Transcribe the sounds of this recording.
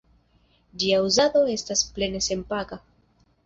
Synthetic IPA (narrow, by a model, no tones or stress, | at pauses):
d͡ʒiauzado̞e̞stasple̞ne̞se̞mpaka